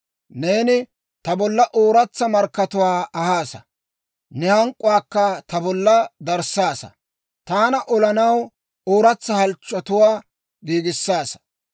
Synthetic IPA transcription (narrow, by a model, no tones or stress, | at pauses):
neːnɪ | t̪ɐbɔlːɐʔoːɾɐt͡sːɐmɐɾkːɐt̪ʊwaːɐhaːsɐ̰ | nɛhɐŋkʼːʊwaːkːɐt̪ɐbɔlːɐd̪ɐɾsaːsɐ̰ | t̪aːnɐʔɔlɐnɐw | oːɾɐt͡sːɐhɐlt͡ʃʼːɔt̪ʊwaː | ɡiːɡɪsːaːsɐ̥